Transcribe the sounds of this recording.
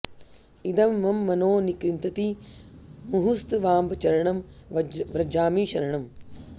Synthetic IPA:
id̪ɐmːɐmːɐnoːnikɾint̪ɐt̪i | muɦust̪ʋaːmbɐt͡ʃɐɾɐɳɐm | ʋɾɐd͡ʒaːmiːʃɐɾɐɳɐm

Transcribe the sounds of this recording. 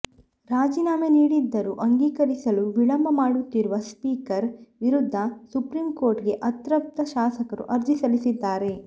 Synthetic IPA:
ɾaːd͡ʒiːnaːmeniːɽid̪ːɐɾuʔɐŋɡiːkɐɾisɐluʋiɭɐmbʱɐmaːɽut̪ːiɾuʋɐspiːkɐɾʋiɾud̪ʱːɐsupɾiːmko̞ːɾʈɡe̞ʔɐt̪ɾɐp̚t̪ɐʃaːsɐkɐɾṵʔɐɾd͡ʒ̪ʱisɐlisid̪ːaːɾe̞

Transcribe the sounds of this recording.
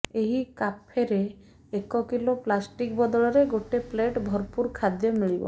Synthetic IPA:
eɦikapʰeɾe | ekɔkiloplasʈik̚bɔd̪ɔɭɔɾeɡoʈepleʈbʱɔɾpuɾkʰad̪jɔmiɭibɔ̰

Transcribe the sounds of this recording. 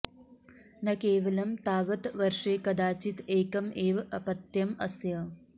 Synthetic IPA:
nɐkeːʋɐlɐmt̪aːʋɐt̪ʋɐɾʂeːkɐd̪aːt͡ʃit̪eːkɐmeːʋɐʔɐpɐt̪jɐmɐsjɐ

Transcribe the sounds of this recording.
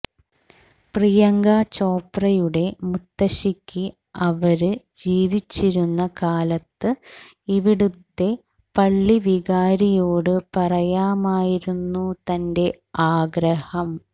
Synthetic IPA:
prijɐŋɡaːt͡ɕo̞ːprɐjuɽe̞mut̪ːɐɕikʲːi | ɐʋɐɾɨd͡ʑiːʋit͡ɕːiɾunːɐkaːlɐt̪ːɨ | iʋiɽut̪ːe̞ | pɐɭːiʋiɣaːɾijoːɽɨpɐrɐjaːmaːjiɾunːut̪ɐnde̞ | aːɡɾɐhɐm

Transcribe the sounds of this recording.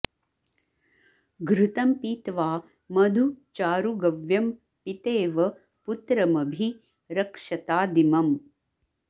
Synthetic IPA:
ɡɾut̪ɐmpiːt̪ʋaː | mɐd̪ʱut͡ʃaːɾuɡɐʋjɐm | pit̪eːʋɐ | put̪ɾɐmɐbʱi | ɾɐkʂɐt̪aːd̪imɐm

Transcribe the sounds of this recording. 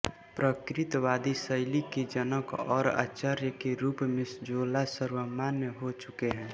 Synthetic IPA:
pɾəkɾɪt̪ʋaːd̪isəɪliked͡ʒənəkɔːɾa̰ːt͡ʃaɾjəkeɾuːpmɪsd͡ʒoːlasəɾwəmaːnjəɦot͡ʃʊkeɦɛ̃ː

